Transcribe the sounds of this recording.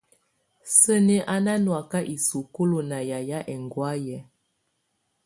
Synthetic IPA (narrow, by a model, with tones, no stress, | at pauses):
sə˦ne˦ʔa˦na˦nwa˨ka˦ʔi˨su˨ko˦lo˨na˨ja˨ja˦ʔɛ˨ŋɡwa˦jɛ˨˦